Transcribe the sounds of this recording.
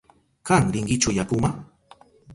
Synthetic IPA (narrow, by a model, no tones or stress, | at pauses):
kaŋɾɪŋɢɪt͡ʃʊjakʊma